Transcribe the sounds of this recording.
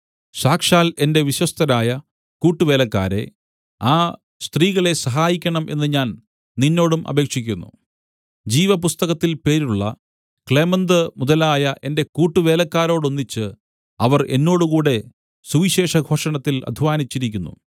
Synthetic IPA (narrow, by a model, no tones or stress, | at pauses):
ɕaːkʂaːle̞nde̞ʋiɕwɐst̪ɐɾaːjɐ | kuːʈːuʋe̞ːlɐkːaːɾe̞̰ | aː | st̪riːɣɐɭe̞sɐɦaːjikʲːɐɳɐmʔe̞̰nːɨɲaːn | ninːo̞ːɽumʔɐ̰be̞ːkʂikʲːunːṵ | d͡ʑiːʋɐpust̪ɐɣɐt̪ːilpe̞ːɾuɭːɐ̰ | kɭe̞ːmɐnd̪ɨmuðɐlaːjɐʔe̞nde̞kuːʈːuʋe̞ːlɐkːaːɾo̞ːɽo̞nːit͡ɕːɨ | ɐʋɐre̞̰nːo̞ːɽuɣuːɽe̞ | suʋiɕe̞ːʂɐɡʱo̞ːʂɐɳɐt̪ːilɐ̰d̪ʱiʋaːnit͡ɕːiɾikʲːunːṵ